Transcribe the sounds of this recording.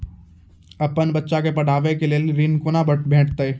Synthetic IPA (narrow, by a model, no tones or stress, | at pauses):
ɐpːənbɐtːʃakepɐɽ̤aːʋekelieɾiːnkʊnabɐʈbʱẽːʈʰt̪ee